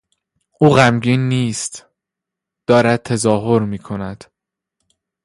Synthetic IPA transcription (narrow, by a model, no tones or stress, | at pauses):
uːɣæmɟiːnːiːst̪ | d̪̥ɒːɾæd̪̚t̪ʰæzɒːɦoɾmiːkʰo̞næd̪̥